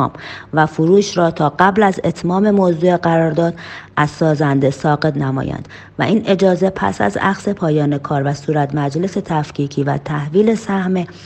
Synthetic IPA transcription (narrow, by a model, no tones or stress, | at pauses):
mvæfoɾuːʃɾɒːt̪ʰɒːɢæblæze̞t̪ʰmɒːme̞mozuːeɢæɾɒːɾd̪ɒːd̪̥ʔæz̥sɒːzænd̪e̞sɒːɡe̞t̪næmɒ̰ːjæ̰nd̪̥ | væ̰ʔiːnʔe̞d͡ʒɒːze̞pʰæ̰sæ̰zæ̰xse̞pʰɒːjɒːne̞kʰɒːɾvæsuːɾæt̪mæd͡ʒle̞se̞t̪ʰæfcʰiːcʰiːvæ̰t̪ʰæhviːle̞sæhme